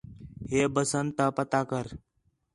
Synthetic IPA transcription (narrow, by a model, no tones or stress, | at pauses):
ɦeːbəsənt̪apət̪aːkəɾ